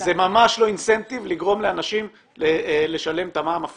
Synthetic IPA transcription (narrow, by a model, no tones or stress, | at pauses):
zemamaʃlo̞inse̞nt̪ivliɡʁo̞mleanaʃim | lele̞ʃale̞mt̪amaːmaf